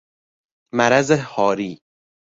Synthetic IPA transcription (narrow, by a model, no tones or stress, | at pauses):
mæɾæzehɒːɾiː